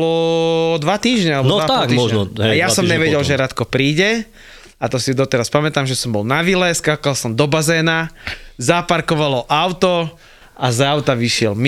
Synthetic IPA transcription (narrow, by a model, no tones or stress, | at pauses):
lɔd̪ʋat̪iːʒɲɛalɛbbnɔaat̪iɔʒɛɔɦɛjasɔmɲɛʋɛɟɛlʒɛɾat̪kɔpɾiːɟɛ | at̪ɔsid̪ɔt̪ɛɾaspamɛt̪aːmʒɛsɔmbɔlnaʋilɛskaːkalsɔmd̪ɔbazɛːnazapaɾkɔʋalɔʔaʊt̪ɔ | azaʊt̪aʋiʃɪɛlm